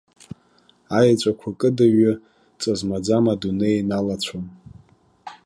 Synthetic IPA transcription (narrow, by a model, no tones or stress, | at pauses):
ajat͡ʃʷʼakʷʰakʼɨdaɥa | t͡sʼazmad͡zamadunejnalat͡ɕʷʰon